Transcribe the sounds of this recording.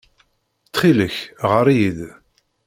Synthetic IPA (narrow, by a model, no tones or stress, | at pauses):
t͡sːχiləçʁəɾiið